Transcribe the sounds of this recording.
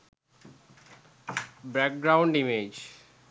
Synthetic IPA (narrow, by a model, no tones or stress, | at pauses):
bɾɛk̚ɡɾaʊɳɖimed͡ʑ